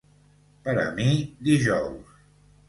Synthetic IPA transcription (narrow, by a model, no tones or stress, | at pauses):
pəɾə̰mid̪iʒɔws